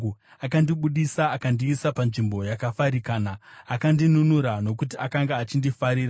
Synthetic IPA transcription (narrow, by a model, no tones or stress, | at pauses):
akandiɓuɗisaːkandiːsapanʐimbo̞jakafaɾikaːnaːkandinunuɾano̞kutiʔakaŋɡaːt͡ʃindifaɾiːra